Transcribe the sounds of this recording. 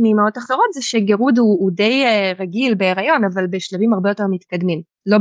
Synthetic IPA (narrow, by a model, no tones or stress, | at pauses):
nimaot̪ːaχtoʁot̪zɛʃeɡeʁuduːde̞jʁaɡilbe̞ːʁajo̞navalbeʃlevimaʁbejo̞te̞ʁmit̪kad̪mim | lo̞